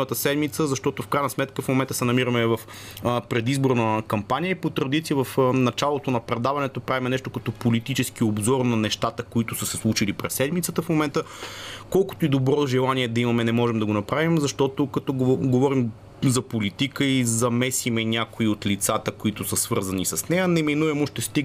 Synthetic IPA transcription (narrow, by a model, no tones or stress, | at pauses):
ət̪əsɛd̪mit̪səzɐʃt̪ɔt̪ʊfkɾajnəsmɛt̪kəfmomɛnt̪ə̥sɛnɐmiɾɐmɛvɐf | pɾɛd̪izboɾnɐkɐmpanʲijəipot̪ɾɐd̪it̪sijəvɐfnɐt͡ʃalˠot̪onɐpɾɛd̪avɐnɛt̪opɾavimɛnɛʃt̪okɐt̪ɔpolit̪it͡ʃɛsk̟iobzɔɾnɐnɛʃt̪at̪əkoit̪ʊsəsɛslˠuʃilipɾɛsːɛd̪mit̪sət̪əfmomɛnt̪əkɔlˠkʊ̥t̪oid̪obɾɔt̪ʒɛlˠaniɛd̪ɐimɐmɛnɛmɔʒɛmd̪ɐɡonɐpɾavimzɐʃt̪ɔt̪okɐt̪ɔɡovɔɾim | zɐpolit̪ikəizɐmɛsimɛnʲakoiot̪lit̪sat̪əkoit̪ʊsəsvɤɾzɐnisɐsnɛjənɛminuɛmoʃt̪ɛst̪i